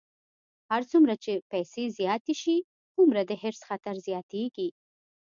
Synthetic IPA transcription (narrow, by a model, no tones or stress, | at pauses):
haɾt͡sumɾat͡ʃepɛjsezjɑt̪eʃi | t͡sumɾad̪əɦɪɾsxat̪aɾzjɑt̪eɡi